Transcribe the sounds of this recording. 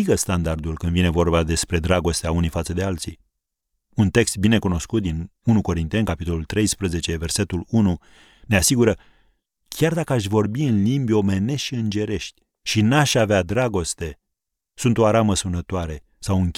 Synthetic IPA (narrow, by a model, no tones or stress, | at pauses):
iɡəst̪and̪ard̪ulkɨnd̪vine̞vo̞rbad̪e̞spɾe̞d̪ɾaɡo̞st̪eaunijfat̪səd̪e̞alt̪sij | unt̪e̞kst̪̚bine̞kuno̞skut̪̚d̪inunuko̞ɾint̪e̞nkapit̪o̞lult̪ɾe̞jspɾəze̞t͡ʃe̞ve̞rse̞t̪ulunu | ne̞asiɡuɾə | kʲard̪akəaʃʲvo̞rbiɨnlimbʲjo̞me̞ne̞ʃiɨnd͡ʒe̞ɾe̞ʃt̪ʲ | ʃinaʃʲavead̪ɾaɡo̞st̪e̞ | sunt̪o̞aɾaməsunət̪oaɾe̞ | sawɨŋkʲ